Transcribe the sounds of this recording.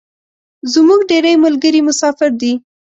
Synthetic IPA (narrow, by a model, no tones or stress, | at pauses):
zmuɡɖeɾəjmʊlɡəɾimʊsɑfɪɾd̪i